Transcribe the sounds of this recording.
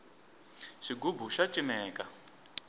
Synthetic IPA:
ʃiɡubuʃat͡ʃʼimɛːkʼa

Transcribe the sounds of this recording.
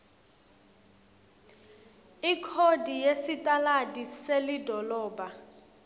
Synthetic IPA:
ikʰodʱijesitʼaladiselidʱɔlɔːba

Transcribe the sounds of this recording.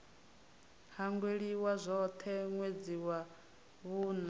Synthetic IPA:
haŋɡweɺiwazʷɔt̪ʰɛŋwed͡ziwa | βuːna

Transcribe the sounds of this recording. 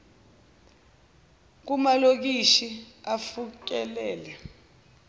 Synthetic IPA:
k̬umalok̬iʃiafuk̬ɛlɛːlɛ

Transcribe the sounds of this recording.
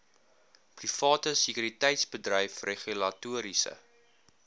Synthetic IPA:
prifɑːtəsikyːɾitɛjtsbədrəjfreχylɐtuəɾisə̰

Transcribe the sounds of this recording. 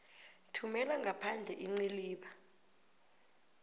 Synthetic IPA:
tʰumɛlaŋɡʱapʰand͡ɮʱɛʔiŋ͡ǀiliːɓa

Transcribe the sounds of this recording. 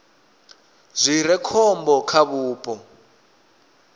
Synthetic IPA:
zʷiɾɛkʰɔmbɔkʰaβuːpʼɔ

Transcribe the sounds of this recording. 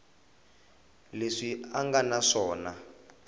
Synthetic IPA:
leʂiaŋɡanaʂɔːna

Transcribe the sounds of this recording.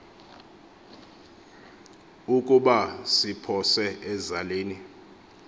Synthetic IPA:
ukʼuɓasipʰɔsɛɛzaleːni

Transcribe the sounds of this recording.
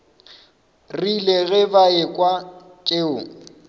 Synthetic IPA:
rileɣɛbaɪkʼwa | t͡ʃʼeʊŋ̩

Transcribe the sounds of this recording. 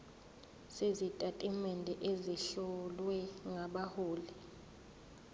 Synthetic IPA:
sezitʼatʼimɛndʱɛʔeziɬɔlwɛŋaɓahoːli

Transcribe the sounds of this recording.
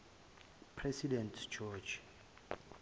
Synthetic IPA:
pʰrɛsidɛntʰd͡ʒɔd͡ʒ

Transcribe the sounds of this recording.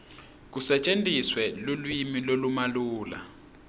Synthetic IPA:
k̬usɛt͡ʃʼentʼiswɛlulwimilolumaluːla̰

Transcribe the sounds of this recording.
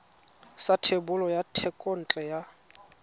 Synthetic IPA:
satʰebʊlɔjatʰɛkʼon̩t͡ɬʼɛja

